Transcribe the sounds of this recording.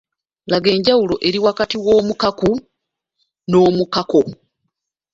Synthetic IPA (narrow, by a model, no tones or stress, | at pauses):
laɡe̞ːɲɟawulo̞ʔe̞ɾiwakatiwo̞ːmukaku | no̞ːmukako